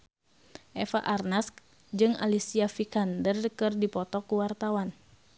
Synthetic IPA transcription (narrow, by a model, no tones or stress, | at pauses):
ʔɛfaʔarnask | d͡ʒɨŋa̰lisiafikandərkɨrdipɔt̪ɔkuwart̪awan